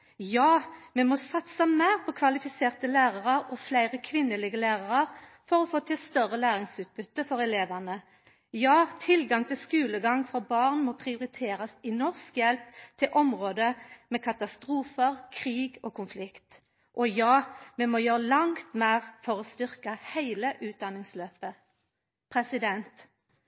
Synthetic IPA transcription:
jɑːmɛmɔsɑt̪səmæɪʁpʰɔkʰʋɑlɪfɪseːʁt̪əlæːʁɑʁəɾɔflæɪʁəkʰʋɪnːəlɪːɡəlæːʁɑʁəʁ | fɔʁɔfoːt̪ʰɪlst̪œʁəlæːʁɪŋsʉːt̪̚bʉt̪ːəfɔʁɛleːʋænə | jɑːt̪ʰɪlɡɑŋt̪ʰɪlskʉːləɡɑŋfɔbɑːʁnmɔːpʰʁɪʊʁɪt̪ʰeːɾɑsɪnɔʁskjɛlp̚t̪ʰɪlʔɔmʁoːd̪əmɛːkʰɑt̪ɑst̪ʁuːfəʁkʰʁiːɡoːkʊnflɪkt̪ | ʔɔjɑːmɛmoːjøːʁəlɑŋt̪meːʁfɔʁɔːst̪ʏʁkɑhæɪləʔʉːt̪̚d̪ɑnːɪŋsløːpə | pʰʁɛsɪd̪ɛnt̪

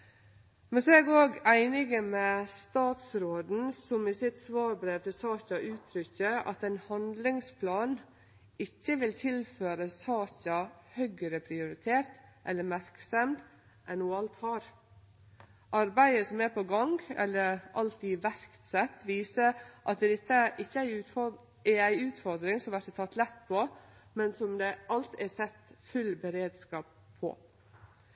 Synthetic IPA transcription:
mɛnsɛɡoːɡæɪnɪɡəmɛst̪ɑːt̪sɾoːd̪n̩sɔmiːsɪt̪sʋɑːɾbɾeːʋt̪ʰɪlsɑːçɑʔʉːt̪ʰɾʏçəɑ̰t̪ɛɪnhɑnd̪lɪŋspʰlɑːn | ɪçːəʋɪlt̪ʰɪlføːɾəsɑːçɑhœɡəɾəpʰɾɪʊɾɪt̪ʰeːt̪ʔɛlːəmæɾksɛmd̪ | ʔɛnːuːɑlt̪hɑːɾ | ʔɑɾbæɪəsɔmɛpʰɔɡɑŋɡɛ̰lːəɾʔɑ̰lt̪iːʋæɾkt̪sɛt̪ːʋiːsəɾʔɑt̪̚d̪ɛːɾɪt̪ːəʔɪçːəæɪʉːfɔ | ɛɾæɪʉːt̪fɔɾd̪ɾɪŋsɔmʋæʈ̪ːɛt̪ʰɑt̪ːlɛt̪ːpʰɔmɛnsɔmd̪ɛʔɑlt̪æsɛt̪fʉlbəɾeːd̪skɑːp̚ | pʰːɔ̰

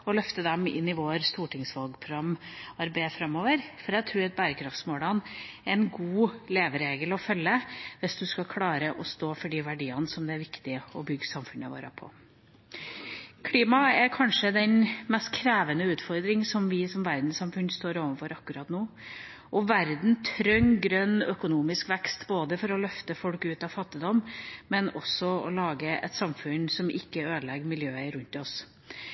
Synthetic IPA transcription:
ɔlœft̪əd̪ɛmɪ̰nːɪʋoːɾst̪uːʈʰɪŋsʋɑlɡpʰɾʊɡɑmːɑɾbæɪfɾɑmːoːʋəɾfɔɾæɡt̪ʰɾʉːɾɑt̪̚bæːɾəkʰɾɑft̪smoːlɑnɾɛnɡuːleːʋəɾeːɡəlɔfœlːəʋɪsd̪ʉskɑkʰlɑːɾəʔɔst̪oːfɔɖiːʋæɖiːɑnsɔmd̪ɛæɾʋɪkt̪ɪɔbʏɡːsɑmfʉnəʋo̰ːɾə̰pʰɔ̰ | kʰliːmɑɛɾkʰɑnʂəd̪ɛnmɛst̪̚kʰɾæːʋənəʉːt̪fɔɾd̪ɾɪŋsɔmʋɪsɔmʋæɾd̪n̩sɑmfʉnːst̪oːɾoːʋənfɔɾɑkːʉɾɑt̪nuː | ʔɔʋæɾd̪n̩t̪ʰɾœŋɡɾœnːœkʊnuːmɪskʋɛkst̪boːd̪əfɔɾɔlœft̪əfɔlkʉːt̪ɑʋfɑt̪ːɪd̪ɔmmɛnɔsɔɔ̰lɑːɡəʔɛ̰t̪sɑmfʉnsɔmʔɪ̰kːəøːd̪əlɛɡəmɪljøːəɾʉnt̪ɔs

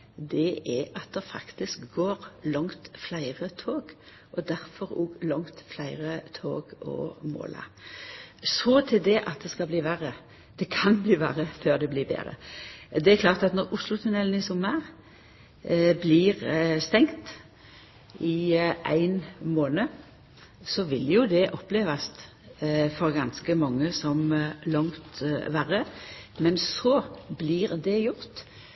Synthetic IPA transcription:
d̪ɛʔɛɑt̪̚d̪ɛfɑ̰kt̪ɪskɡoːʁlɑŋt̪flæɪʁət̪ʰoːɡ | ʔɔd̪æɾfɔɾɔɡlɔŋt̪flæɪʁət̪ʰo̰ːɡɔ̰mo̰ːlʔɑ̰ | sɔt̪ʰɪld̪ɛʔɑt̪̚d̪ɛskɑbliːʋæʁə | d̪̥ɛkʰɑnbliːʋæ̰ːʁəføːʁd̪ɛbliːbḛːʁə̰d̪ɛækʰlɑːʁt̪ɑt̪nɔʁʊslʊt̪ʰʉnɛln̩ɪsʊmɑʁ | bliːʁst̪ɛŋt̪ | ɪæ̰ɪnmoːnə | sɔʋɪljʊd̪ɛʔɔpːleːʋɑst̪ | fɔɾɡɑnskəmɑŋːəsɔmlɑŋt̪ʋæːʁəmɛnsɔbliːʁd̪ɛjʊɾt̪

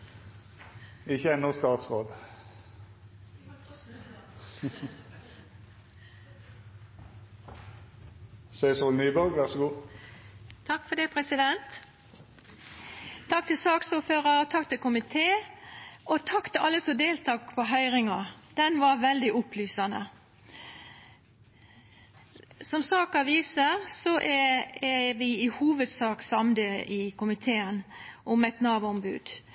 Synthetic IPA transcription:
ɪçəɛnːʊst̪ɑːt̪sʁoːd̪ | sœʏsɔlnyːbɔʁɡʋæʁsəɡuː | t̪ʰɑkːfɔd̪ɛpʰʁɛsɪd̪ɛnt̪ | ɑk̚t̪ʰɪlsɑːksuːføːʁɑt̪ʰɑkt̪ɪlkʰʊmɪt̪ʰeː | ʔɔt̪ʰɑkt̪ʰɪʔɑlːəsɔd̪eːlt̪ʰɑːkpʰɔɦœʏɾɪŋɑd̪̥ɛnʋɑɾʋɛld̪ɪʔʊplyːsɑnə̰ | sɔmsɑːkɑʋiːsəɾsɔʔɛɛʋɪɪhuːʋəd̪sɑːksɑmd̪əʔɪkʰʊmɪt̪ʰeːənʔʊmɛt̪nɑːʋəɔmbʉ̰ːd̪̥

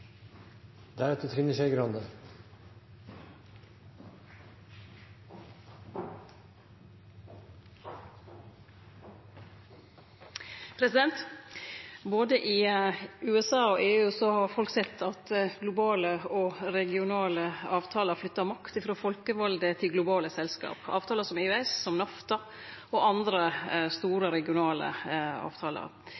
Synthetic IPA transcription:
d̪æɾɛt̪ət̪ʰɾɪnːəʂæɪɡɾɑnd̪ə | pʰɾɛsɪd̪ɛnt̪ | boːd̪əʔiːʉːɛsɑːɔʔeːʉːsɔhɑɾfɔlksɛt̪ʰːɑt̪ɡlʊbɑːləɔɾɛɡɪʊnɑːləɑːʋt̪ʰɑːləɾflʏt̪ːəɾmɑkt̪ɪfɾoːfɔlkəʋɑld̪ət̪ʰɪlɡlʊbɑːləsɛlskɑ̰ːpɑ̰ːʋt̪ʰɑːləsɔmeːʉɛssɔmnɑft̪ɑ | oʔɑnd̪ɾəst̪uːɾəɾɛɡɪʊnɑːlə̰ɑ̰ːʋt̪ʰɑːlə̰ɾ

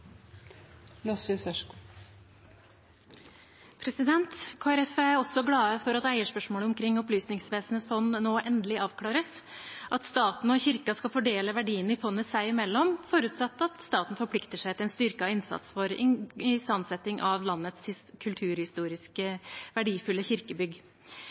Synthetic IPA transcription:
lɑsʋyːsɛʂk | pʰɾɛsɪd̪ɛnt̪kʰoːæɾɛfææɾɔsɔɡlɑːəfɔɾɑt̪æɪəʂpœʂmoːləʊmkʰɾɪŋːɔplyːsnɪŋsʋeːsənəsfɔnnoːʔɛnd̪əlɪʔɑːʋkʰlɑːɾəsʔɑt̪st̪ɑːt̪n̩ɔçɪɾkɑskɑfɔɖeːləʋæɖiːənɪfɔnːəsæɪɪmɛlːɔmfɔɾʉːt̪sɑt̪ːɑt̪st̪ɑːt̪n̩fɔɾpʰlɪkt̪əʂæɪt̪ɛnst̪ʏɾkɑɪnsɑ̰t̪sfɔɾɪ̰ɪst̪ɑnsɛt̪ɪŋʔɑʋlɑnːət̪shɪkʰʉlt̪ʰʉːɾhɪst̪uːɾɪskəʋæɖiːfʉlːəçɪɾkəbʏɡ

